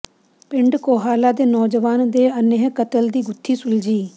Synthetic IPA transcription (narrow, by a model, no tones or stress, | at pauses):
pɪɳɖkoːɦaːlaːd̪eːnɔːd͡ʒəʋaːnd̪eːəneɦkət̪əld̪iːɡʊt̪ʰːiːsʊld͡ʒiː